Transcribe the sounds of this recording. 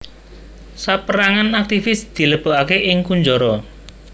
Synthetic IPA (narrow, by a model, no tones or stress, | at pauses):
sapəɾaŋanak̚t̪ifɪsd̪̥i̤ləb̥o̤ʔakeʔɪŋkuɲd͡ʒɔɾɔ